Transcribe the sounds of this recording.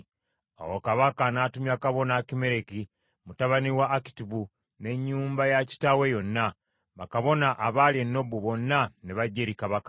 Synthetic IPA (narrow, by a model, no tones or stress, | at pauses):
a̰wokaβakanaːtumjakaβo̞naːkime̞ɾeki | mutaβaniwaʔːki̥tiβu | ne̞ɲːuːmbajaci̥tawejo̞nːa | βa̰kaβo̞naʔːβaljenːo̞βuβo̞nːaneβaɟːeɾikaβakḁ